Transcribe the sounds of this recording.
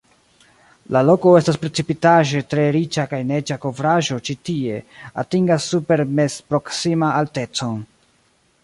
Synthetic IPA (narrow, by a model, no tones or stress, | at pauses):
lalo̞ko̞e̞staspɾe̞t͡sipitaʒe̞tɾe̞ɾit͡ʃakajne̞d͡ʒako̞vɾaʒo̞t͡ʃitie̞atiŋɡasːupe̞ɾme̞zpɾo̞ksimaːlte̞t͡so̞n